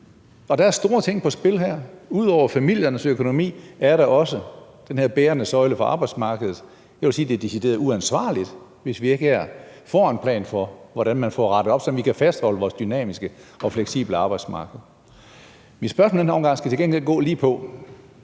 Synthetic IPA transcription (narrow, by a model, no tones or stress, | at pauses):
ɒ̽d̥ɑ̈æɐsd̥o̝ːɐt͡sʰe̝ŋ̰pʰɒ̽sb̥e̝lɦæɐ̰uð̞̰ˠɒʊɐfæmil̰jɐnəsøkʰo̝no̝mḭːæɐɾɑʔɒ̽səd̥enhe̝ɐ̰b̥eːɐnəsɒ̽ɪləfɒɑ̈ːb̥ɑ̈ɪd̥smɑ̈ːɡ̥əðˠð̩ˠ | jæʋe̝lsiːd̥e̝d̥isid̥e̝̰ːɐð̩ˠuænsʋɑ̰̈ːlid̥ | ʋe̝sʋie̝ɡ̥əæɐfɒ̰ːenpʰlɛ̰ːnfɒ̽ʋɒɾænmænfɒ̰ːʁɑ̈ɾ̥əɒ̥sɒmʋikʰæfæsd̥hɒ̽ləʋɒːsd̥ynɛ̰ːmisɡ̥əɒ̽fleɡ̥sḭːb̥ləɑ̈ːb̥ɑ̈ɪd̥smɑ̈ːɡ̥əð̩ˠ | minsb̥ɶɐsm̩l̩denæɒ̽mŋɡ̥ɑ̈ŋ̰sɡ̥æ̥t͡sʰeɡeŋɡ̥el̰ɡ̥ɔ̰ːliːpʰɒ̽